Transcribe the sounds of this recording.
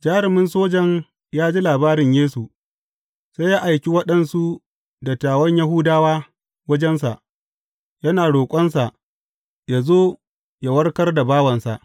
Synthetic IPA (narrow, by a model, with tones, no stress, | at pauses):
d͡ʒaː˦ɾɪ˨mɪ˦nsoː˦d͡ʒɐ˨ɲ | jaː˦d͡ʒi˦laː˨baː˦ɾɪ˨ɲjeː˦su˨ | sa˦jaː˦ʔa˨jkʲi˦wɐ˦ɗɐ˨nsu˦ | dɐ˨tːaː˨wɐ˦ɲja˦ɦʊ˦daː˦waː˦ | wɐ˦d͡ʒɛ˦ns̬a̰˨ʔ | jɐ˦naː˨ɽoː˨kʷʼɐ˦nsa˨ʔ | jaː˨zoː˦ | ja˦˨wɐ˦rkɐ˦rda˨baː˦wɐ˨nsa̰˨ʔ